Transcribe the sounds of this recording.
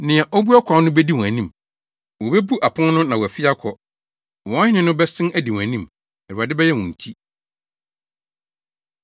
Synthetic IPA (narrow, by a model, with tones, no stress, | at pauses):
nɪ̃˨ɛ˨ʔɔ˦bu˦a˦kʷʰã˨˦nnʊ̃˦bɛ˦di˦wɔ̃˨æ˨nĩ˦˨m | wɔ˨bɛ˦bu˦ʔa˨pʰʊ̃˦nnʊ̃˦nã˨wɔ˨æ˨fɪ˦a˦kʰɔ˨ | wɔ̃˨a˦hɪ̃˦nɪ̃˦nʊ̃˦bɛ˦sɪ̃˦næ˨di˨wɔ̃˨æ˨nĩ˦m | ɛ˨du˨a˨dɪ˦bɛ˦jɛ˦wɔ̃˨n̩˨tʰi˦